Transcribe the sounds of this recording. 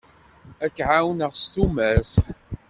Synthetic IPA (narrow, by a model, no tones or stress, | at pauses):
ækːʕawnəʁst̪umæs